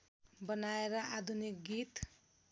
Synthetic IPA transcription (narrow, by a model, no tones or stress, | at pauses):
bʌnaeɾʌʔad̪ʱunik̚ɡit̪